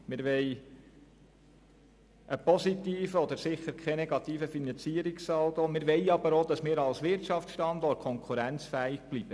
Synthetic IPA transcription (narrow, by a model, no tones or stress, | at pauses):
mɪɾʋɛɪ | ʔəpɔsit̪iːfəɔd̪əɾsɪχəɾkʰχɛnɛɡɑt̪iːfəfinɑnt͡siːəɾiksɑwt̪omɪɾʋɛɪɑbəɾod̥̪ɑsmɪːɾɑlsʋɪɾtɑft͡sʃtɑnd̪ɔrt̚kʰɔŋkʰuɾænt͡sfæːɪɡ̥̚b̥lib̥ə